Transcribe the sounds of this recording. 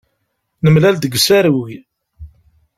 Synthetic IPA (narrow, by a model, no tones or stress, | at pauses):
nəmlæld̪əɡsæɾwi